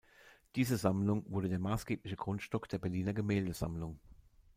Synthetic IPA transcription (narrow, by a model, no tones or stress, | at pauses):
d̥iːzəzamlʊŋvʊɐdədeːɐmaːsɡ̥eːplɪçəɡ̥ʁʊntʃtɔkd̥eːɐbɛɐliːnɐɡəmɛːldəz̥a̰mlʊŋ